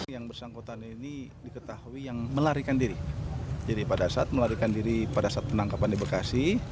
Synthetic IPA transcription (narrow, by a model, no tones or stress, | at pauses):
jaŋbərsaŋkot̪aninidikət̪ahuijaŋməlaɾikandiɾidiɾipadasat̪̚məlaɾikandiɾipadasat̪̚pənaŋkapandibakasih